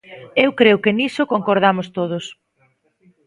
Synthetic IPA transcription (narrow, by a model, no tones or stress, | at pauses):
ewkɾewkɪnisokoŋkoɾð̞amost̪oð̞ʊs